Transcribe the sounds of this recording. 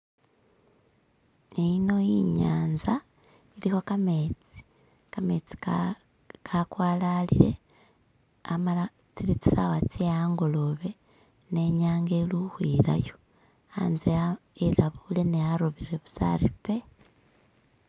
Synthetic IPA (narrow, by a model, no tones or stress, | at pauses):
ino̞jiɲaːnza | iliho̞kamet͡si̥ | kame̞t͡si̥ | kʰakwaːlalḭle̞̰ | amala | t͡silit͡si̥sawat͡seaːŋɡolo̞βe̞ | ne̞ɲaːŋɡeluhwiːla̰jo | a̰nzeelaβule̞nejaɾoβiɾe̞βu̥sa̰ɾipe̞